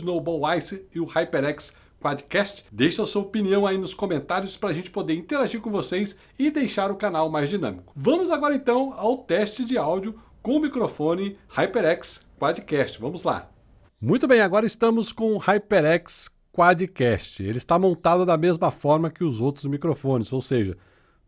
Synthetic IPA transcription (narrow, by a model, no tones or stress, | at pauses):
nowbɔwajsɪɪʊhajpeɾɛks | kwad͡ʒɪkɛst͡ʃɪ̥d̪ejʃɐsuɐopiniɐ̃w̃ainʊskõmẽnt̪aɾjʊspɾɐaːʒẽnt͡ʃɪ̥pod̪eɾĩnt̪eɾaʒiɾkõvosejs | ɪd̪ejʃaɾʊkanawmajzd͡ʒinɐ̰̃mikʊ̥vɐ̃mʊzaɡɔɾɐẽnt̪ɐ̃w̃awt̪ɛst͡ʃɪd͡ʒɪawd͡ʒʊ | kõʊmikɾofõnɪhajpeɾɛkskwad͡ʒɪkɛst͡ʃɪvɐ̃mʊzla̰ | mũj̃t̪ʊbẽj̃aɡɔɾɐɪst̪ɐ̃mʊskõhajpeɾɛks | kwad͡ʒɪkɛst͡ʃɪḛlɪst̪amõnt̪ad̪ʊd̪ɐmezmɐfɔɾmɐkɪʊzowt̪ɾʊzmikɾofõnɪzowseʒɐ